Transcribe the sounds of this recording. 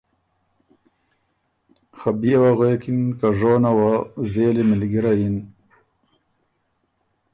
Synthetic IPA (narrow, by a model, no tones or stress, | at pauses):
xabijawaɣekinkaʐoːnawazeːlimɪlɡiɾajin